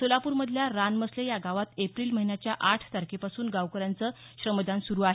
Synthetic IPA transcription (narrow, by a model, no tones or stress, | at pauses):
t̪olapuːɾməd̪ʱljaɾanməslejaɡaʋat̪epɾiːlməɦinjat͡ɕjaʔaʈʰt̪aɾkʰepasuːnɡaʋkəɾant͡səːɕɾəməd͡z̪ansuɾuaɦe